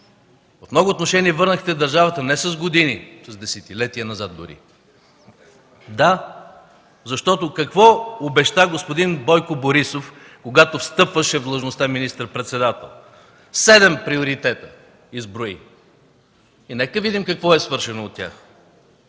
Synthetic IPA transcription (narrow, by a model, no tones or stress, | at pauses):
vɐfmnɔɡoʊːt̪noʃɛniɛvɤɾnəxt̪ɛd̪ɐɾʒavət̪ənɛsɐzɡod̪inisɐzd̪ɛsɛt̪ilɛt̪iənɐzat̪̚d̪ʊ̰ɾḭ | d̪a | zɐʃt̪ɔt̪okɐkvɔobɛʃt̪aɡospod̪inbɔjkʊboɾisof | koɡat̪ofst̪ɤpvəʃɛvd̪lˠəʒnost̪aminist̪əɾpɾɛt̪sɛd̪at̪ɛ̰lˠ | sɛd̪ɛmpɾioɾit̪ɛt̪ə | izbɾoḭ | inɛkəvid̪imkɐkvɔɛsvɤɾʃɛnoːt̪̚ːʲa̰x